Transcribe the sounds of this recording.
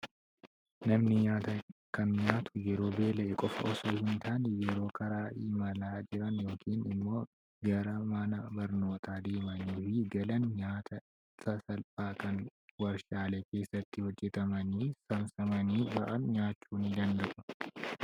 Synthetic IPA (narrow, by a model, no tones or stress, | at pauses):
nɐmnɪɲaːt̪ɐkɐnɲaːt̪ʊ̥jɛɾo̞ːbe̞ːlɛɛkʼɔfɐ̰ɔsoːhɪnt̪aːnjɛɾo̞ːkʰɐɾaːʔiːmɐlaːd͡ʒɪɾɐnjo̞ːkʰiːnɪmːo̞ː | ɡɐɾɐmɐnɐbɐɾno̞ːt̪ʰaːd̪e̞ːmɐniːfɪɡɐlɐnɲaːt̪ʰɐ | sɐsɐlpʼaːkɐnwɐɾʃaːleːke̞ːsːɐt̪ːɪhɔd͡ʒːɛt̪ɐmɐniːsɐmsɐmɐniːbɐʔɐnɲaːt͡ʃːuːnɪd̪ɐnd̪ɐʔʊ̥